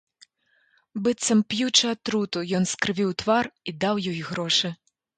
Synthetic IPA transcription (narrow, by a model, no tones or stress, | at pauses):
bɨt̪sɐmpjut͡ʂɐɐt̪ɾut̪ujɔnskɾɨvʲiwt̪varid̪awjɔjiɣɾɔʂɨ